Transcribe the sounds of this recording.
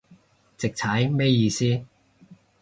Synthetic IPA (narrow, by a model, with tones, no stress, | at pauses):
t͡sɪ˨k̚t͡sʰɐ˨˥jmɛ˥jiː˧siː˥